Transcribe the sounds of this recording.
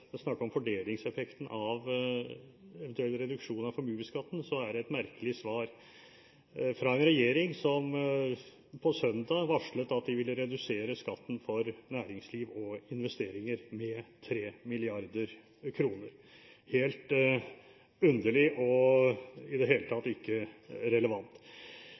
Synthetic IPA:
ɛsnɑkːəɾɔmfɔɖeːlɪŋsɛfɛkt̪ən̩ʔɑʋ | ɛʋɛnt̪ʉɛlːɾɛd̪ʉkʂuːnɑfɔɾmʉːəskɑt̪ːn̩sɔæɖɛɛt̪mæɾkəlɪsʋɑːɾ | fɾɑɛnɾɛjeːɾɪŋsɔm | pʰɔsœnd̪ɑʋɑʂɭət̪ɑt̪̚d̪ɪʋɪlːəɾɛd̪ʉseːɾəskɑt̪ːn̩fɔɾnæːɾɪŋsliːʋɔɪnʋɛst̪eːɾɪŋəɾmɛt̪ʰɾeːmɪlɪɑɾd̪əɾ | kʰɾuːnəɾ | heːlt̪ | ʉnd̪əɭɪʔɔ | ɪd̪ɛɦeːlət̪ʰɑt̪ːɪkːəɾɛləʋɑnt̪

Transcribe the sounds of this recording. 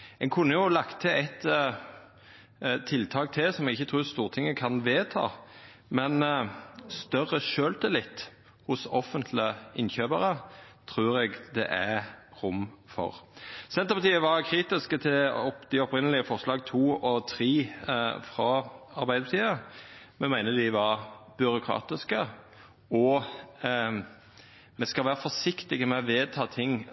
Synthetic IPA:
ɛŋkʰʉnːəjʊlɑkt̪ʰəɛɪt̪ | t̪ʰɪlt̪ʰɑːk̚t̪ʰɪlsɔmɛɡɪçːət̪ʰʁʉːst̪uːʁt̪ʰɪŋːəkʰɑnʋeːt̪ʰɑ̰ː | mɛn | st̪œʁəʃøːlt̪ʰəlɪt̪ː | hʊsɔfənt̪ʰlɪəʔɪnçøːbəɾət̪ʰʁʉːɾɛɡd̪ɛ̰ʔæʁʊmfɔ̰ʁsɛnt̪əpʰɑt̪iːəʋɑɾkʰɾiːt̪ɪskət̪ʰɪlɔd̪̥ɪɔpɾɪnəlɪəfɔʁʂlɑːɡt̪ʰuːɔt̪ʰɾiːfɾɑɑɾbæɪd̪əpɑt̪ʰiːə | mɛmæɪnəd̪ɪʋɑɾbʏɾʊkʰʁɑ̰ːt̪ɪskə | ɔ | mɛskɑlʋæːʁəfɔʂɪkt̪ɪɡəmɛʋeːt̪ʰɑːt̪ʰɪŋ

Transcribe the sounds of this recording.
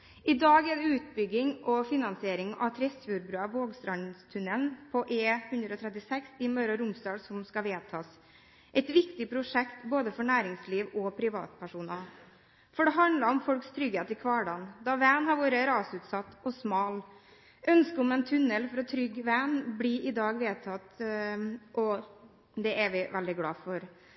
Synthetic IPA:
ɪd̪ɑːɡɛɖɛʉːt̪̚bʏɡːɪŋʔɔfɪnɑnsɪeːɾɪŋɑ̰ʋt̪ʰɾɛsfuːɾbɾʉːɑʋoːɡst̪ɾɑnst̪ʰʉnɛlnpʰɔʔeːhʉnd̪ɾɔːt̪ʰɾɛt̪ːɪsɛksɪmœɾəɾʊmst̪ɑːsɔmskɑʋeːt̪ʰɑːs | ʔɛɪt̪ʋɪkt̪ɪpʰɾʊʂɛkt̪boːd̪əfɔɳæːɾɪŋsliːʋɔpʰɾɪʋɑ̰ːt̪̚pʰæʂuːnɑ | fɔɖɛɦɑnd̪ləɾɔmfɔlkst̪ʰɾʏɡheːt̪ɪkʰʋɑːɖɑnd̪ɑʋɛnhɑɾʋoːɾəɾɑːsʉːt̪sɑt̪ːɔsmɑːl | ʔœnskəɔmɛnt̪ʰʉnːəlfɔɾɔt̪ʰɾʏɡʋænbliʔɪd̪ɑːɡʋeːt̪ʰɑt̪ | ʔɔ | d̪ɛʔæʋɪʋʔɛld̪ɪɡlɑ̰ːfɔɾ

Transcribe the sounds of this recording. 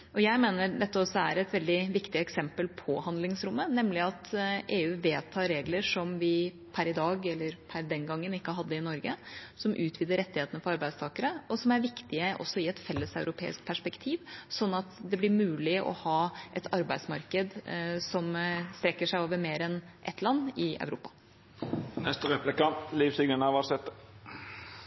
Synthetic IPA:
ɔjæɪmeːnəd̪ɛt̪ːəɔsːɔæɾɛt̪ʋɛld̪ɪʋɪkt̪ɪɛksɛmpəlpʰɔhɑnd̪lɪŋsɾʊmːənɛmlɪɑt̪ʔeːʉːʋeːt̪ʰːɑːɾeːɡləʂɔmʋɪ | pʰæɾɪd̪ɑːɡɛlːəɾpʰæɾd̪ɛnɡɑŋːənɪkːəɦɑd̪ːəɪnɔɾɡəsɔmʔʉːt̪ʰʋiːd̪əɾɛt̪ːɪheːt̪ənəfɔɾɑɾbæɪst̪ʰɑːkəɾəʔɔsɔmæɾʋɪkt̪ɪəʔɔ̰sːɔɪɛt̪fɛlːəsɑʉɾʊpʰḛːɪ̰skpʰæʂpɛkt̪ʰiːʋsɔnːɑt̪d̪ɛblɪɾmʉːlɪʔɔ̰hɑːʔɛt̪ʰɑɾbæɪd̪smɑɾkəd̪sɔmst̪ɾɛkːəʂæɪɑːʋəmeːɾɛn | ʔɛ̰t̪ʰlɑnːɪʔɑ̰ʉɾṵːpɑ̥ | nɛst̪əʁɛplɪkɑliːfsʏɡənəʋɑsɛt̪ə

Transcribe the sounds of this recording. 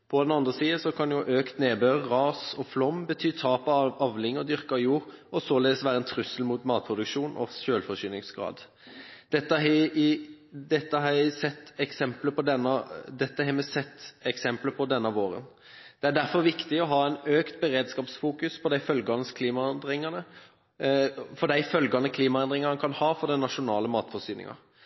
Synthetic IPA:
pʰɔd̪ɛnɑnd̪ʁəsiːəsɔkʰɑnjʊʔøːkt̪neːbøːʁʁɑːsɔflɔmːbət̪ʰyːt̪ʰɑːpɑɑʋlɪŋːɔd̪ʏʁkɑjuːʁɔsɔleːd̪əsʋæːɾəɛnt̪ʰɾʉsəlmuːt̪mɑːt̪̚pʰʁʊd̪ʉkʃuːnʔɔ̰ɕøːlfɔʁɕyːnɪŋsɡʁɑ̰ːd̪ | d̪̥ɛt̪ːəɪ | d̪ɛt̪ːəɦɑæsɛt̪ːɛksɛmpləpʰɔd̪ɛnːɑd̪ɛt̪ːəɦɛmɛsɛt̪ːɛksɛmpləpʰɔd̪ɛnːɑʋoːɾə̰n | d̪̥ɛæɖ̪æɾfɔɾʋɪkt̪ɪɔɦɑːæɪnøːkt̪̚bəɾeːd̪skɑːpsfuːkʉspʰɔd̪æɪfœlɡɑnəskʰliːmɑɛnd̪ʁɪŋɑnə | fɔɖ̪æɪfœlɡɑnəkʰliːmɑɛnd̪ʁɪŋɑkʰɑnhɑːfɔɾd̪ɛnɑʂʊnɑːləmɑːt̪fɔɾsyːnɪ̰ŋɑ̰

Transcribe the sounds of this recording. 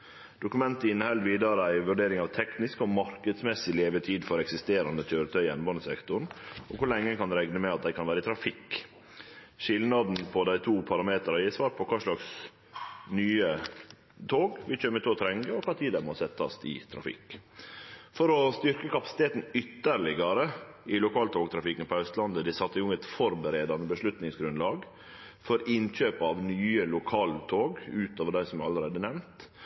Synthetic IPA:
d̪̥ʊkʉmɛnt̪əɪnːəhɛld̪ʋiːd̪əɾəæɪʋʉɖeːɾɪŋɑʋt̪ʰɛknɪskɔmɑɾkəd̪smɛsɪleːʋəʈʰiːd̪fɔɾɛksɪst̪eːɾɑnd̪ətʰøːɾət̪ʰœʏɛnbɔnəsɛkt̪ʊɳʔɔkʰʊɭɛŋːəkʰɑnd̪ɛɾɛɡnəmɛɑt̪̚d̪æɪkʰɑnʋæːɾəɪt̪ʰɾɑfɪk | ʃɪlnɑd̪npʰɔd̪æɪt̪ʰuːpʰɑɾɑmeːt̪ɾɑjæsʋɑːɾpʰɔkʰɑːʂɭɑks | nyːə | t̪ʰoːɡʋɪt͡ʃøːmət̪ʰoːt̪ʰɾɛŋɡəɔkʰɑt̪ʰiːd̪æmɔsɛt̪ʰːɑ̰st̪ɪ̰t̪ʰɾɑ̰fɪ̰k | fɔɾɔst̪ʏɾkəkɑpɑ̥sɪ̥t̪ʰeːt̪n̩ʏt̪ːəɾɭɪɡɑɾə | ʔɪlʊkʰɑːlt̪ʰoːɡt̪ʰɾɑfɪkːənpʰɔœst̪lɑnd̪əd̪ɪsɑt̪ːəɪʊŋːət̪fɔɾbəɾeːd̪ɑnəbəʂɭʉt̪nɪŋsɡɾʉnlɑːɡ | fɔɾɪnc͡çøːpɑʋnyːəlʊkʰɑːlt̪ʰoːɡʉːt̪oːʋəɖæɪsɔmæɑləɾeːd̪ənɛʋnt̪

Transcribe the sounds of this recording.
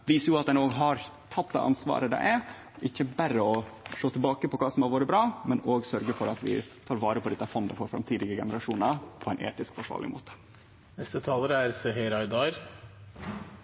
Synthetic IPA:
ʋiːsəjʊɑt̪d̪ɛnoːɡɦɑɾ | t̪ʰɑt̪̚d̪ɛ̰ːʔɑ̰nsʋɑ̰ːɾəd̪ɛ̰ɪʔæɾ | ɪçːəbæɾəɔʂoːt̪ʰɪlbɑːkəpɔkʰɑːsɔmhɑɾʋoːɾəbɾɑːmɛnoːɡsœɾɡəfɔɾɑt̪ʋɪ̰t̪ʰɑːɾʋɑːɾəpʰɔd̪ɛt̪ːɑfɔnd̪əfɔɾfɾɑ̰mt̪ʰiːd̪ɪɡəɡɛnəɾɑʂuːnəpʰɔɛɪnʔḛːt̪ɪskfɔʂʋɑ̰ːlɭʔɪ̰mo̰ːt̪ə̥ | nɛst̪ət̪ʰɑːləɾæɾsɛɦɛɾɑɪd̪ɑɾ

